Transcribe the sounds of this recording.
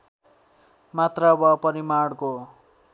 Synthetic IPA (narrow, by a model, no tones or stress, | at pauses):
mat̪rabʌpʌɾimaɽko